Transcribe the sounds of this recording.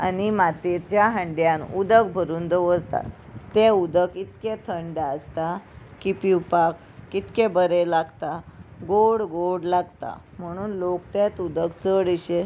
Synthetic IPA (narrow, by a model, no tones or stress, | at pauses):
a̰nimat̪et͡ɕjaɦəɳɖjãnud̪əkbʱəɾuːnd̪əʋəɾt̪a̰t̪ːeud̪əkit̪ket̪ʰəɳɖaəst̪akipiwpakː | it̪kebəɾelaɡt̪aɡoɽɡoɽlaɡt̪a̰ | m̤əɽ̃uːnlokt̪et̪ud̪əkt͡səɽiɕe